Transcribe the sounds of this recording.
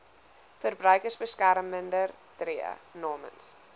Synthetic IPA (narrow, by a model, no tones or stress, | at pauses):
fərbrœɥkərsbəskæɾmːəndər | triə̰nɑːmə̰ns